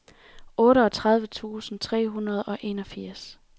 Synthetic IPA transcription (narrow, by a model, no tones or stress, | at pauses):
ʔɔ̽ːɾəɒ̽t͡sʰʁäð̞ˠʋət͡sʰṵːsn̩t͡sʰʁɛ̰ːɦunɐð̞ˠɒ̽ʔe̝ːnɒ̽fiɐ̰s